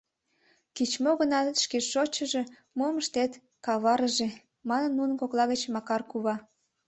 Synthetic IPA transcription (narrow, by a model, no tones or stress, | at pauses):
kit͡ɕmoɣənɑʃkeʃot͡ɕəʒe̽ | moməʃt̪et̪ | kɑβɑɾəʒe | mɑnənːunəkoklˠɑɣət͡ɕmɑkɑrkuβɑ